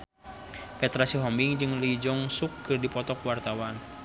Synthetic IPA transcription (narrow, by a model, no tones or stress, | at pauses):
pɛt̪ɾasiɦɔmbiŋd͡ʒɨŋlid͡ʒɔŋsukːɨrdipɔt̪ɔkwart̪awan